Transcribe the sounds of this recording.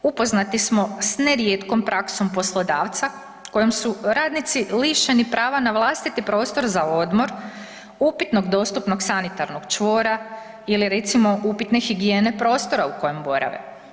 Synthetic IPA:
upo̞znat̪ismo̞sneɾjet̪ko̞mpɾʔakso̞mpo̞slˠo̞d̪aːʋt̪sa | ko̞jomsuɾaːd̪nit̪siliʃenipɾaːʋanaʋlˠast̪it̪ipɾo̞ːst̪o̞ɾzao̞d̪mo̞ɾ | upit̪no̞ɡd̪o̞st̪upno̞ksanit̪aɾnoɡt͡ʃʋo̞ːɾa | iliɾe̞t̪simo̞ʔupit̪ne̞xiɡijeːnepɾo̞ːst̪o̞ɾauko̞je̞mbo̞ɾa̰ʋḛ

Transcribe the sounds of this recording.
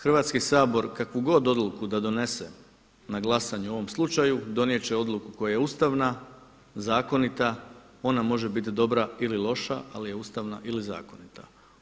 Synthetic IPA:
xrʋaːt̪skisaːbo̞ɾkakʋuɡo̞d̪o̞d̪lˠukud̪ad̪o̞ne̞sḛ | naɡlˠasaɲuo̞ʋo̞mslˠut͡ʃajud̪o̞nije̞t͡ɕeod̪lˠukuko̞jaje̞ust̪aʋna | zaːko̞nit̪a | o̞namo̞ʒebit̪̬id̪o̞bɾaililˠo̞ʃaalije̞ust̪aʋnaʔiliza̰ːko̞nit̪a

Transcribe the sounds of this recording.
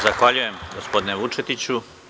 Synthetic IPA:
zaxʋaʎuje̞mɡospo̞d̪ineʋut͡ʂe̞t̪it͡ɕu

